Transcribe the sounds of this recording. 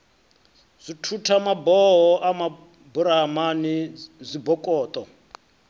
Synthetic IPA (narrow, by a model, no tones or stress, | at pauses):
z̥ʷitʰutʰamabɔɦɔʔama | buɾamanizʷibɔkʼɔːt̪ʼɔ